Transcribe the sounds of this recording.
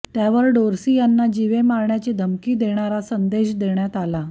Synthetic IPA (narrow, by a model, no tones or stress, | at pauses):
t̪jaʋəɾɖoɾsijanːad͡ʑiʋemaɾɳjat͡sed̪ʱəmkiːd̪eɽ̃aɾasənd̪eɕd̪eɳjat̪ala